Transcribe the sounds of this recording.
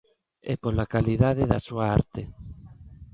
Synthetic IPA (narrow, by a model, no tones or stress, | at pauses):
ɛpolakaliðaðeðasuaaɾt̪e